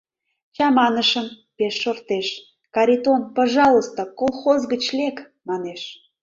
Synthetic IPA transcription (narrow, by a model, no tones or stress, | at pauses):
t͡ɕɑmɑnəʃəm | peʃːort̪eʃ | kɑɾʲit̪onpɑʒɑlˠəst̪okolˠxozɣət͡ɕlʲek | mɑneʃ